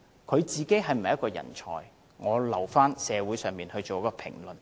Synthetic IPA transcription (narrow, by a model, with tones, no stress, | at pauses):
kʰɵ˨˧ɥt͡siː˨ke˥jɦɐ˨jm̩˨jɐ˥tkɔː˧jɐ̰˨˩nt͡ʃʰɔ̰ː˨˩j | ŋɔː˨˧lɐ˨˩wfaː˥nsɛː˨˧wu˨˥jsœː˨ŋmiː˨nhɵ˧t͡so˨wjɐ˥kɔː˧pʰɪ̰˨˩ŋlɵ˨n